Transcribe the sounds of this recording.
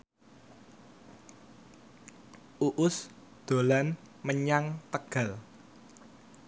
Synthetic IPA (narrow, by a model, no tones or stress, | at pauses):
ʔuʔʊs | d̪̥o̤lan | məɲaŋt̪əɡ̥a̤l